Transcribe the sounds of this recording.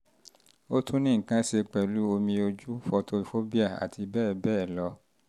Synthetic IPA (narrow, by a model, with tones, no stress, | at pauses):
o˦tʰũ˦nĩ˦˨kã˦se˧k͡pɛ˨lu˨˦o˧mĩ˧o˧d͡ʒu˦fɔ˧to˧i˨fo˦bi˦a˦˨a̰˨tʰi˧bɛː˦˨bɛː˦˨lɔ˧˦